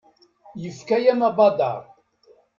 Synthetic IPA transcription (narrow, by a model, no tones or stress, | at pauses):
jəfkæjæmabɑd̪ɑ̰ɾˤ